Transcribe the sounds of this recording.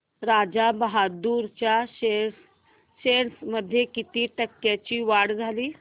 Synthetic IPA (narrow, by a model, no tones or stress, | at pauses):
ɾad͡ʑabəɦad̪uːɾt͡ɕjaes | ɕeɽsməd̪ʱjekit̪iːʈəkːjat͡ɕiːʋaɽd͡zʱaliː